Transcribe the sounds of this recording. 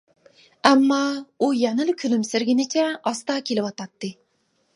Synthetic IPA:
amːɑʊjænɪlkʲʰʊlɪmsɪɾɡʲɪnɪt͡ʃʰaɑst̪ɑkʲʰelɪpɒt̪ɑt̪ːɪ

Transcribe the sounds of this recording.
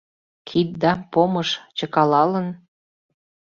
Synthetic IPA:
kʰit̪̚d̪ɑpoməʃt͡ɕəkɑlɑlən

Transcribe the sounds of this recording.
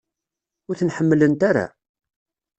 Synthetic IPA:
ʊɾθənħəmːlənt̪aɾa̰

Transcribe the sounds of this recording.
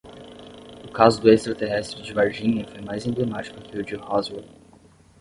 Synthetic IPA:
ʊkazʊd̪ʊest̪ɾɐt̪eɦɛst̪ɾɪd͡ʒɪvaɾʒĩɲɐfojmajzẽblemat͡ʃi̥kʊkɪʊd͡ʒɪhɔzwɛ

